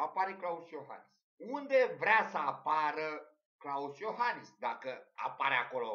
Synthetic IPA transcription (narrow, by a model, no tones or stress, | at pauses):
apaɾeklausjo̞ɦa̰nis | und̪e̞vɾeasəapaɾə | klausjo̞ɦanisd̪akəa̰paɾeako̞lo̞